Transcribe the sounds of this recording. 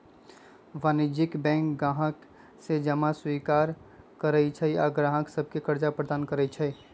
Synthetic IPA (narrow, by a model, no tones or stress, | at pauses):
ʋaːnɪd͡ʒɪkbɛ̃ːŋkɡaːɦək | sed͡ʒəmaswiːkaːɾ | kəɾəit͡ʃʰəiaɡɾãːɦəksəb̚ʱkekəɾd͡ʒapɾəd̪aːnkəɾəit͡ʃʰəi